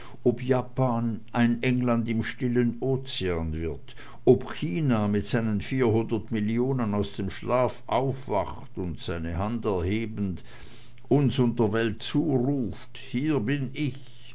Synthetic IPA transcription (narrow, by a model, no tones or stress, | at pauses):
ʔɔpjaːpaːnʔaɪnʔɛŋlandɪmʃtɪlənoːt͡seaːnvɪɐt | ʔɔpçiːnamɪtz̥aɪnənfiːɐɦʊndɐtmɪljoːnənaʊsd̥eːmʃlaːfʔaʊfv̥a̰χtʊntz̥aɪnəhandɛɐheːbən̩t | ʔʊnsʊntdəɐvɛltt͡suːʁuːft | hiːɐbɪnɪç